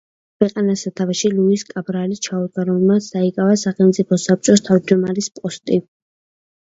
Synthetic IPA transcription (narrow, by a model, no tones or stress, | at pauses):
kʰwɛqʼanasat̪ʰavaʃiluiskʼabɾalist͡ʃʰaud̪̚ɡaɾɔɛmasd̪aikʼavasaχɛlˠmt̪sʼipʰɔsap̚t͡ʃʼɔst̪ʰavd͡ʒɔmaɾispʼɔst̪ʼi